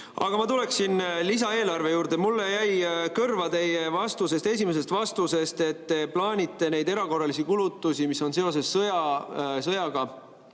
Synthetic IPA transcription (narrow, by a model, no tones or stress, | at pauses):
ɑ̰ɡ̥ɑmɑt̪ule̞ksinlisɑe̞ːlɑrve̞juːɾd̪e̞mulːe̞jæjkɤrvɑt̪e̞jevɑst̪use̞st̪e̞s̬ʲime̞se̞st̪vɑst̪use̞st̪e̞t̪ːeplɑːnʲit̪ːe̞ne̞jd̪e̞ɾɑko̞rːɑlisikulut̪ːˑusimiso̞nse̞o̞s̬e̞sːɤjɑsɤjɑɡ̥ɑ